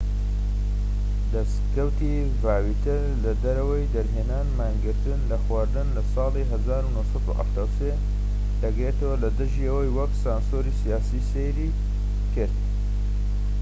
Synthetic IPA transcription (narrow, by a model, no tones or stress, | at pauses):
d̪ɐstkɐwt̪i | vaːwit̪ɨɾ | lɐd̪ɐɾɐwəjd̪ɐɾɦeːnaːnmaːŋɡɨɾt̪ɨnlɐxwaːɾd̪ɨnlɐsɑːliɦɐzaːɾunohsɑd̪ṵʔa̰ft̪aːwse | d̪̥ɐɡɾet̪ɐwɐlɐd̪ɨʒiɐwɐjwɐksaːnsoːɾisijaːsisejɾi | kɨɾt̪